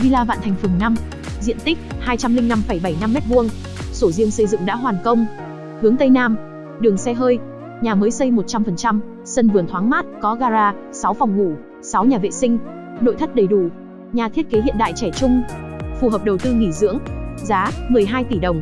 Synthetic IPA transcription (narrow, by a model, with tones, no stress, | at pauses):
vi˧laː˧va̰ː˧˨nt̪ʰa˨˩ŋ̟fɨ˨˩ŋna˧m | zḭ˧˨ənt̪ï˦˥k̚haː˧jt͡ɕa˧mlï˧ŋ̟na˧mfaə˧˩jɓa˧˩jna˧mːɛ˦˥t̚vu˧ən | so˧˩zi˧əŋsə˧jzɨ̰˧˨ŋɗa̰ː˧˥ɦwaː˨˩nkə˧wŋ͡m | hɨ˨˦əŋt̪ə˧jnaː˧m | ɗɨ˨˩əŋsɛ˧ɦəː˧j | ɲaː˨˩məː˨˦jsə˧jmo˨˩t̚t͡ɕa˧mfə˨˩nt͡ɕa˧m | sə˧nvɨ˨˩ənt̪ʰwaː˨˦ŋmaː˦˥t̚kɔ˨˦ɣaː˧zaː˧ | sa˨˦wfɔ˨˩wŋ͡mŋu˧˩ | sa˨˦wɲaː˨˩vḛ˧˨sï˧ŋ̟ | no̰˧˨jt̪ʰə˦˥k̚ɗə˨˩jɗu˧˩ | ɲaː˨˩t̪ʰi˦˥ət̚ke˨˦ɦḭ˧˨ənɗa̰ː˧˨jt͡ɕɛ˧˩t͡ɕʊ˧ŋ͡mfu˨˩ɦəː˨˩p̚ɗə˨˩wt̪ɨ˧ŋi˧˩zɨ̰˧˥əŋzaː˨˦mɨ˨˩əjɦaː˧jt̪i˧˩ɗə˨˩wŋ͡m